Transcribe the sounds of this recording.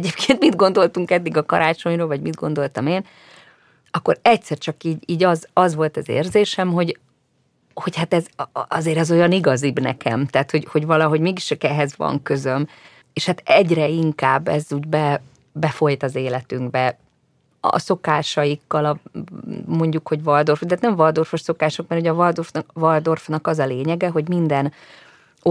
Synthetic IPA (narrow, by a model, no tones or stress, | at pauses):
ɛɟeːp̚kʰeːnt̪mid̪ɡo̞nd̪o̞lt̪uŋkɛd̪ːiɡɒkɒ̰ɾaːt͡ʃo̞ɲɾoːlvɒɟmid̪ɡo̞nd̪o̞lt̪ɒmeːn | ɒkːo̞ɾɛct̪sɛrt͡ʃɒkiːɟiːɟɒzɒzʋo̞lt̪ɛzḛːrzeːʃɛmɦo̞ɟ | ho̞chat̪ɛzɒzeːɾɛzo̞jɒniɡɒzibnɛ̰kʰɛ̰mt̪aːt̪ho̞ɟho̞ɟvɒlɒɦo̞ɟmeːɡiʃt͡ʃɒkɛɦɛzvɒ̰ŋkø̞zøm | eːʃhat̪ɛɟrɛiŋkaːbːɛ̰zuːɟbɛ | bɛfo̞jt̪ɒzeːlɛt̪yŋɡbɛ̰ | so̞kaːʃɒjikːɒlɒ | mo̞ɲɟukho̞ɟvɒld̪o̞rft̪aːt̪nɛɱvɒld̪o̞rfoʃso̞kaːʃo̞kmɛrhoɟɒvɒld̪orfvɒld̪o̞rfnɒkɒzɒleːɲɛɡɛɦo̞ɟmind̪ɛn | o